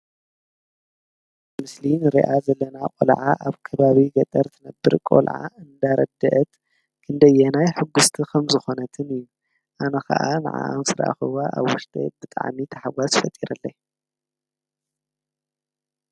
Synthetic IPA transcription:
mɨslinɨɾiʔazɐlːɐnakʼo̰lʕa̰ʔaβkʰɐβaβiɡɐt̪ʼɐɾt̪ʰɨnɐbːɨɾkʼo̰lʕa̰ɨnd̪aɾɐ̰d̪ɐʔɐt̪ | kʰɨnd̪ɐjɛnajħɨɡːust̪ʰikʰɐmzɨxo̞nɐt̪ʰɨnɨjːu | ʔanɐxɐ̰ʔana̰ʕa̰ʔa̰msɨɾa̰ʔa̰xɨwaʔa̰βwʊʃt̪ʼḛbɨt̪ʼa̰ʕmit̪ʰɐħawazfɐt̪ʼiɾɐlːɐj

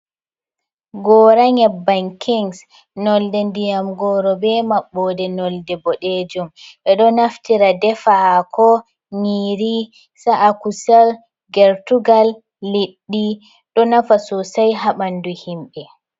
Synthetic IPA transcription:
ɡɔːɾaɲɛbːaŋkʰiŋs | nɔldɛndijamɡɔɾɔbɛmaɓːɔdɛnɔldɛbɔɗed͡ʒumʔɛɗɔnaftiɾadɛfakʰɔ | ɲiɾi | saʔakusal | ɡɛɾtuɡalː | iɗːi | ɗɔnafasɔsajɦaɓanduhimɓɛ

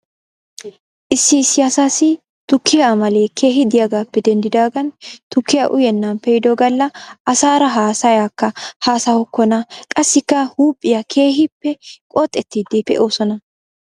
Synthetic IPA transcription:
ʔɪsːɪːsːɪɐsaːsɪ | t̪ʊkʰːɪjaːmɐleːkʰe̞ːɦɪd̪ɪjaɡaːpːɛd̪ɛnd̪ɪd̪aːɡɐnt̪ʊkːɪjaʔʊjɛnːɐnpɛjɪd̪ɔɡɐlːɐʔɐsaːɾɐɦaːsɐjaːkːɐhaːsɐhɔkːɔnɐkʼɐsːɪkːɐhuːpʼːɪjakʰe̞ːɦɪpːɛkʼɔːt̪ʼːɛt̪ːiːd̪ipːɛ̰ʔoːsɔnɐ

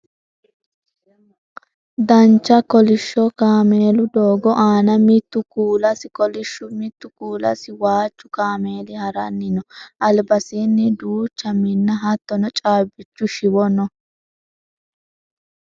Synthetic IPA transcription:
d̪ɐnt͡ʃːɐkɔlɪʃːɔkaːmeːlʊd̪oːɡɔʔaːnɐmɪt̪ːʊkuːlɐsɪkɔlɪʃːʊmɪt̪ːʊkuːlɐ̰sɪwaːt͡ʃːʊkaːme̞ːlɪhɐɾɐnːɪnɔʔɐlbɐsinːɛd̪uːt͡ʃːɐmɪnːɐɦɐt̪ːɔnɔt͡ʃʼaːbɪt͡ʃːʊʃɪwɔnɔ

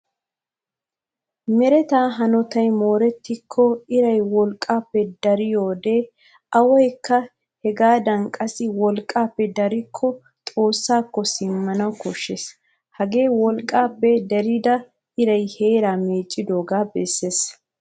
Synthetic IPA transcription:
mɛɾɛt̪aːɦɐnɔt̪ɐjmo̞ːɾɛt̪ːɪkʰːɔɪɾɐjwɔlkʼːaːpːɛd̪ɐɾɪjoːd̪eː | ʔɐwɔjkːɐ | hɛɡaːd̪ɐŋkʼɐsɪwɔlkʼːaːpːɛd̪ɐɾɪkʰːɔ | t̪ʼo̞ːsːaːkːɔsɪmːɐnɐwkɔʃːes | hɐɡe̞ːwɔlkʼːaːpːɛd̪ɛɾɪd̪ɐ | ɪɾɐjhe̞ːɾaːmeːt͡ʃʼːɪd̪o̞ːɡaːbɛsːeːs

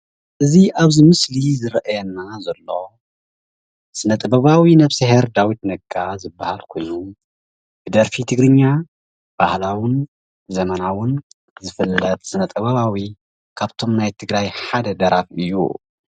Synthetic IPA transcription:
ʔɨziʔaβzimɨslizɨɾɐʔajɛnːazɐlːo̞ | sɨnɐt̪ʼɐbɐβawinɐβseheɾd̪awit̪nɐɡʼazɨbːahalkʰo̞̰jnu | b̥ɨd̪ɐɾfit̪ʰɨɡɾɨɲːa | b̥ahlawʊn | zɐmɐnawʊn | zɨfɨlːɐt̪ʼsɨnɐt̪ʼɐβɐβawi | kʰaβt̪ʰo̞mnajt̪ʰɨɡɾajħad̪ɐd̪ɐɾʔafɨjːṵ

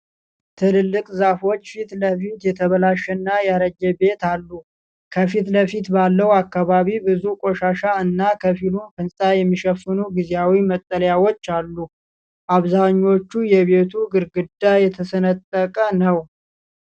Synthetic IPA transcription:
t̪ʰɨllːɨkʼzafo̞t͡ʃːfit̪ləfit̪jɛt̪ʰəβəlaʃɛnːajaɾəd͡ʒːɛbe̞t̪alːu | kʰəfit̪ləfit̪balːəwakːaβaβibɨzukʼo̞ʃaʃaɨnːakʰəfilunkɨnsʼajɛmːiʃəfɨnuɡizejawimət̪ʼːələjawo̞t͡ʃːalːu | ʔaβzaɲːo̞t͡ʃːujɛβe̞t̪ʰuɡɨɾɡɨd̪ːajɛt̪ʰəsənət̪ʼːəkʼənəw

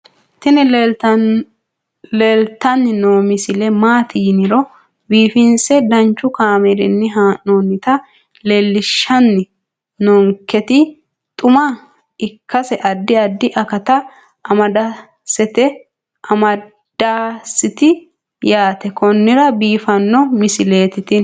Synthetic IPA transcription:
t̪ɪnɪ | leːlt̪ːɐnːɪnoːmɪsɪlɛmaːt̪ɪjnɪɾɔ | biːfɪnsɛd̪ɐnt͡ʃːʊkaːmɛɾɪ̰nːɪɦaːnoːnːɪt̪ɐ | leːlːɪʃːɐnːɪ | noːŋkɛt̪ɪ | t̪ʼʊmɐ | ɪkːɐsɛʔɐd̪ːɪɐd̪ːɪʔɐkɐt̪ɐ | ɐmɐd̪ɐ | sɛt̪ɛ | ɐmɐ | d̪̥aːsɪt̪ɪ | jaːt̪ɛkɔnːɪɾɐbiːfɐnːɔmɪsɪleːt̪ɪt̪ɪ

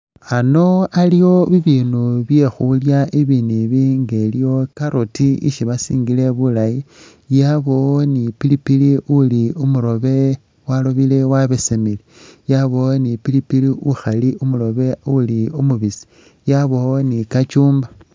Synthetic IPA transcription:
ano̞alijo̞βiβiːnuβje̞xuljaiβiniβiŋɡe̞ljjo̞kaɾotiḭʃiβasḭːŋɡile̞βulaji | jaβonipilipiliuliumuɾo̞βe̞ | waloβile̞waβesemilijaβo̞nipilipiliʔuxaliʔumulo̞βe̞uliumuβisi̥ | jaβo̞nikat͡ʃuːmba

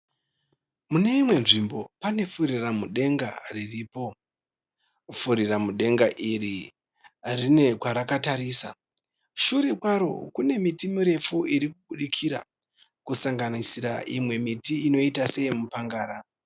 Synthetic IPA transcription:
mune̞imwe̞nʐimbo̞pane̞fuɾiramuɗe̞ŋɡa̰ririːpo̞ | fuɾiramuɗe̞ŋɡaʔiri | rine̞kwaɾakataɾiːsa | ʃuɾekwaɾo̞̰kune̞mitimiɾe̞fuiɾikuɓuɗikʰiɾa̰ | kusaŋɡanisiɾa̰ʔimwe̞mitiːno̞itase̞imupaŋɡaːɾa

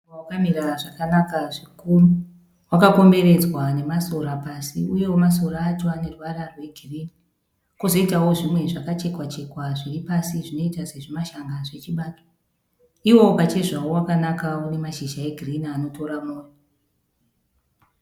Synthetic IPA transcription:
wakamiɾaʐakanakaʐikuru | wakako̞mbe̞re̞d͡zwane̞maso̞rapasḭujo̞maso̞raːtuane̞rwararwe̞ɡʱiriːni | kuzoitawo̞ʐimwe̞ʐakat͡ʃe̞kwat͡ʃe̞kwaʐiipasiʐino̞itase̞ʐimaʃaŋɡaʐe̞t͡ʃiɓaːto̥ | iwo̞pat͡ʃe̞ʐaowakanakaune̞maʃiʒae̞ɡʱirinaano̞to̞ɾamoːjo

